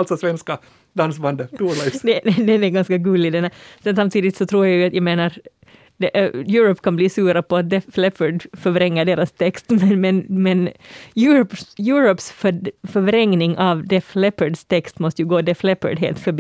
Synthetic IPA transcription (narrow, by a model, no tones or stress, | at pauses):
lt̪sɔsʋɛnska | d̪ɑnsband̪ət̪ʰuːɭɛɪd̪ɛd̪ɛd̪ɛɡɑnskɑɡʉːlɪd̪ɛnæsɛnsamt̪ʰiːd̪ɪt̪sɔt̪ʰɾuːɾjaɪjʊɑt̪jaɪmeːnaɾ | d̪ɛjʉːɾɔpːkʰɑnbliːsʉːɾapʰɔat̪̚d̪ɛflɛpəɖfœɾʋɾɛŋːəɖeːɾast̪ʰɛkst̪mɛmɛnmɛnjʉːɾpjʉːɾɔpsfœfœʋɾɛŋnɪŋʔɑʋd̪ɛflɛpəɖst̪ʰɛkst̪mɔst̪əjʉɡoːd̪ɛflɛpə̰ɖɦḛːlt̪fœbiː